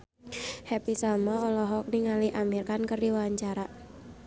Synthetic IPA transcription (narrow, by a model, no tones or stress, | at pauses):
hɛpisalmɔɔlɔɦɔk̚niŋaliʔamirkankərdiwaaɲt͡ʃaɾa